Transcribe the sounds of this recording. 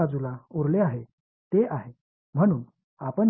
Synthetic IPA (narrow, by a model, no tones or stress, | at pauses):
ad͡zulauɾleaɦe | t̪eʔaɦe | m̤əɽ̃uːn | apəɳ